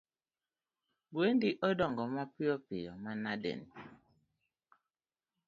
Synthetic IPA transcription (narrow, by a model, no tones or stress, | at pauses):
ɡwendiʔɔdɔŋɡɔmapiɔpijɔ̰manadḛn